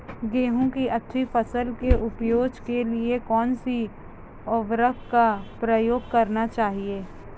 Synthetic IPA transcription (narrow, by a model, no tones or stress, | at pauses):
ɡeːɦõkiʔɐt̪ʰːifəsəlkeʔʊpjoːd͡ʒkeliekɔːnsi | ɔːʋɾək̚kapɾəjoːɡ̚kɐɾnat͡ʃaːɦieː